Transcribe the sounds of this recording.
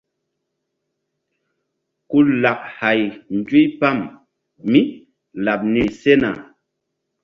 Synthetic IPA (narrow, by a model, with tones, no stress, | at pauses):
ku˦la˨p̚ha˨jn˨d͡ʒwi˦jpa˦˨mː | i˦ | la˨p̚ni˨se˦na̰˨